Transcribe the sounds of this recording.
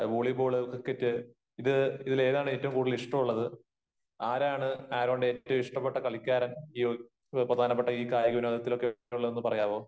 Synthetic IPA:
ʋuːɭipoːɭkokːetːɨ | iðɨiðile̞ːðaːɳɨeːtːɐʋumkuːɽiliʂʈɐmuɭːɐðɨ | aːɾaːɳɨaːɾoːɳɖeːtːɐʋmiʂʈɐpːeʈːɐkɐɭikʲːaːɾɐniː | prɐd̪ʱaːnɐp̬ːeʈːɐiːkaːjɐɣuʋnɐɐd̪ɐt̪ːilo̞kːeuɭːɐðenːɨpɐrɐjaːʋoː

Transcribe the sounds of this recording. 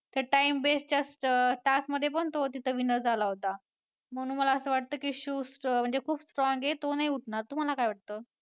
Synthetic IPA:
t̪əɾʈaimbest͡ɕasʈasməd̪ʱjepəɳt̪ot̪it̪ʰəʋinəɾd͡zʱalaɦot̪a | m̤əɡnuːnməlaəsəːʋaʈ̚t̪əːkiːɕuːsm̤əɳd͡zekʰuːbsʈɾɔŋɡet̪onaɦiuʈʰɳaɾt̪um̤alakajʋaʈ̚t̪əː

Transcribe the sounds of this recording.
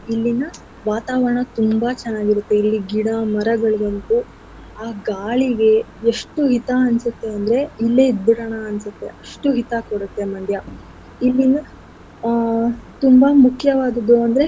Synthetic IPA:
ilːinɐ | ʋaːt̪aːʋɐɾɐɳɐt̪umbɐt͡ʃɛnːaːɡiɾut̪ːe̞ilːiɡiɽamɐɾɐɡɐɭbɐnt̪u | aːɡaːɭiɡe̞ː | ʂʈuɦit̪aɐnsut̪ːe̞ɐnd̪ɐɾe̞ilːeid̪uɽɐɳɐːnsut̪ːe̞ʔɐʂʈuɦit̪akoɽut̪ːe̞mɐd̪ʱjɐ | ilːinɐ | t̪umbɐmukʰːjɐʋaːd̪ɐd̪uɐnd̪ɐɾe̞

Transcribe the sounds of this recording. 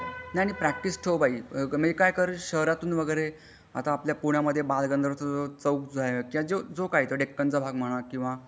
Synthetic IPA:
najañipɾæk̚ʈisʈʰewbaiməkajkəɾɕəɦɾat̪uːnʋəɡəjɾe | a̰t̪aːpljapuɳjaməd̪ʱːjebalɡənd̪ʱəɾt̪ʰəd͡zot͡səuk̚d͡zajkĩʋad͡ʑod͡zokait̪əɖekːənt͡səbʱaɡm̤əɽ̃akĩw̃ʋa

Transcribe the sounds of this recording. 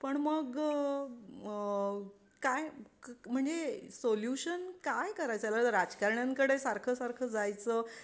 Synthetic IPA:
pəɳməɡ | kajm̤əɳd͡zesoljuɕənkajkəɾajt͡səjalaɾad͡zkaɾɳjãŋkəɽesaɾkʰəsaɾkʰəd͡zajt͡səː

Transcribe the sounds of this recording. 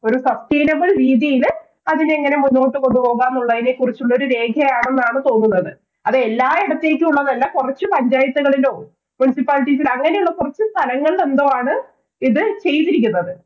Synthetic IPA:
o̞ɾusɐsʈejnɐbɨɭɾiːðjɐjil | ɐðineːŋːɐne̞munːo̞ːʈːɨko̞nd̪upo̞ːɣaːnːuɭːɐðinekːurit͡ɕːuɭːɐo̞ɾuɾe̞ːɡʰʱɐjaːɳe̞nːaːɳɨt̪o̞ːnːunːɐðɨ | ɐðeelːaːiɽɐt̪ːeːkʲːɨuɭːɐnɐlːɐkurɐt͡ɕːɨpɐɲd͡ʑaːjɐt̪ːuɣɐɭiloː | munisipːaːliʈːis̬ilɐŋːɐneuɭːɐkurɐt͡ɕːɨst̪ʰɐlɐŋːɐɭle̞nd̪oːaːɳɨ | iðɨt͡ɕe̞jt̪ːiɾik̬ʲːunːɐðɨ

